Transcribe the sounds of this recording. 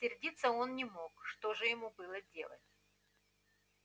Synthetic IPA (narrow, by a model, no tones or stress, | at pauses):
sʲɪrdʲit̪sːəo̞nnʲɪmo̞kʂt̪oʐɨjɪmubɨlˠədʲe̞̰lˠə̰tʲ